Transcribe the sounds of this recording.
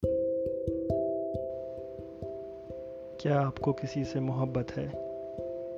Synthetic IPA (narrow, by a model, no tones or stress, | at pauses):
kjaːaːpkokɪsisemʊɦəbːət̪ɦɛː